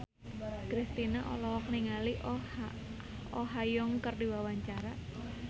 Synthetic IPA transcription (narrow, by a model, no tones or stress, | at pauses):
kɾist̪inaʔɔlɔkniŋaliʔ | ɔɦajɔŋkərdiwawaɲt͡ʃaɾa